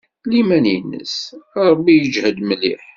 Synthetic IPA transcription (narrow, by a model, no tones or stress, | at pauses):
limænjənːə̰sɾˤəbːijəd͡ʒhəd̪məlḭħ